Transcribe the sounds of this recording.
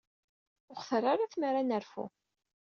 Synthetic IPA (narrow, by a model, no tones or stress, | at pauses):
ʊχθərˤːaɾaθməɾanəɾfṵ